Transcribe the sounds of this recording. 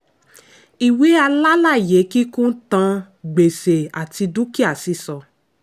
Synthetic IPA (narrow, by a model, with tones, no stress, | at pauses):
i˨we˨˦a˧la˦la˦˨je˨˦ki˦kũ˦tã˧ | ɡ͡be˨se˨a˨ti˧du˦ki˦a˦˨si˨˧˦sɔ˨